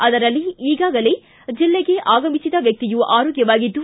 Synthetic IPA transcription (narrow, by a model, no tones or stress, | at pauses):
ɐd̪ɐɾɐlːiiːɡaːɡɐle | d͡ʒilːeɡe̞ʔaːɡɐmisid̪ɐʋjɐk̚t̪ijuʔaːɾoːɡjɐʋaːɡid̪ːu